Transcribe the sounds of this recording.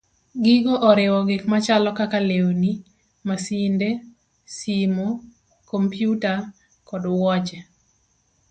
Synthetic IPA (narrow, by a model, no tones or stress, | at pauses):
ɡɪɡɔʔɔɾɪwɔɡɪkmat͡ʃalɔkakaleoni | masinde | simo | kɔmpjuta | kɔdwɔt͡ʃɛ